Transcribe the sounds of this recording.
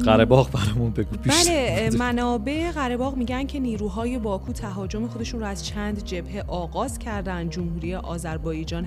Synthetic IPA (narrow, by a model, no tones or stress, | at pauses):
ɣæɾebɒːɣbæɾɒjmunbeɡupʰibʃælemænɒːbe̞ʔeɣæɾe̞bɒːɣmiːɟæncʰe̞niːɾuːɦɒːje̞bɒːkʰuːt̪ʰæɦɒːd͡ʒo̞me̞xo̞d̪e̞ʃunɾoæz̥t͡ʃʰæːnd̪d͡ʒe̞bhe̞ʔɒːɣɒːz̥cʰæɾd̪ænd̪̚d͡ʒomhuːɾijeʔɒːzæɾbɒːjed͡ʒɒːn